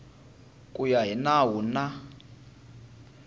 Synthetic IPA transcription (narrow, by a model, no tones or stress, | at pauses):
kʼujaɦinawuna